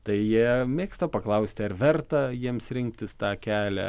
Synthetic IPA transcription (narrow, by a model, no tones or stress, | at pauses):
t̪ɐɪjiɛmʲeːkst̪ɐpɐklˠɐʊsʲt̪ʲɪɐrʋʲɛrt̪ɐjiɛmsɾʲɪŋk̚t̪ʲɪst̪ɑːkʲæːlʲæ̰